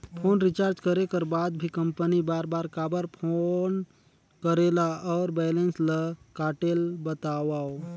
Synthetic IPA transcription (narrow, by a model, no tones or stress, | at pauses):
pʰoːnɾɪt͡ʃaːɾd͡ʒkəɾekəɾbaːd̪bʱikə̃mpənibaːɾbaːɾkaːbəɾpʰon | kəɾelaɔːɾbɛːlensləkaːʈelbət̪awaːo